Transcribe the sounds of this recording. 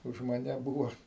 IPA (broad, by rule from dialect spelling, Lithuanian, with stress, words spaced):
ʊʃ mɐˈnʲɛ ˈbuːʋoː